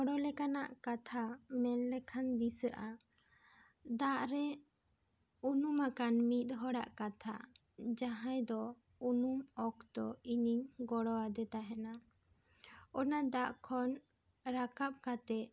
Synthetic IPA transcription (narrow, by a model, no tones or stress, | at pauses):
ɔɽɔlɛkanaʔkat̪ʰamɛnlɛkʰand̪isəʔa | d̪aʔɾɛ | unumakanmit̪̚ˀɦɔɽaʔkat̪ʰa̰ | d͡ʒaɦajd̪ɔ | unumɔk̚d̪ɔiɲiɲɡɔɽɔad̪ɛt̪aɦɛna | ɔnad̪aʔkʰɔn | ɾakap̚kat̪ɛ